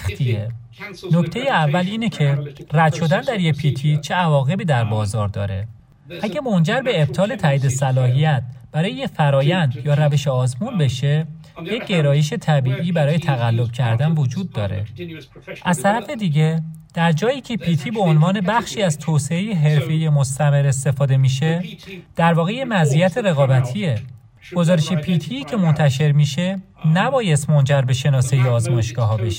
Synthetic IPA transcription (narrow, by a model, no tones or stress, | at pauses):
xt̪ʰie | nocʰt̪ʰejeævːæliːnecʰe̞ræd̪̥ʃo̞d̪ænd̪æɾjepʰiːt̪ʰit͡ʃʰeævɒːɣe̞biːd̪æɾbɒːzɒːɾd̪ɒ̰ːɾe̞̰ | ʔæɟʲæmo̞nd͡ʒæɾbe̞ːb̥t̪ʰɒːle̞t̪ʰæːiːd̪e̞sælɒːɦijæt̪̚ʰb̥æɾɒːjejefæɾɒːjænd̪jɒːɾæve̞ʃeɒːzmuːnbe̞ʃe̞ | jec̚ːɟe̞ɾɒːje̞ʃe̞t̪ʰæbiːʔiːbæɾɒːjet̪ʰæɣælːo̞b̥̚cʰæɾd̪ænvod͡ʒuːd̪ːɒːɾḛ | ʔæzt̪ʰæɾæfe̞d̪iːɟe̞d̪̥æɾd͡ʒɒːjiːcʰe̞pʰiːt̪ʰiːbe̞onvɒːne̞bæxʃiːæzt̪ʰoːse̞ejeɦe̞ɾfe̞jemost̪æme̞ɾe̞st̪e̞fɒːd̪e̞miːʃe̞d̪̥æɾvɒːɣeje̞mæzijæt̪ʰeɾe̞ɣɒːbæt̪ʰie | ɡ̥o̞zɒːɾeʃepʰit̪ʰiːcʰe̞mo̞nt̪ʰæʃe̞ɾmiːʃe̞ | næbɒːjest̪mo̞nd͡ʒæɾbe̞ʃe̞nɒːsejeɒːzmɒeʃɡ̥ɒːɦɒːbeʃe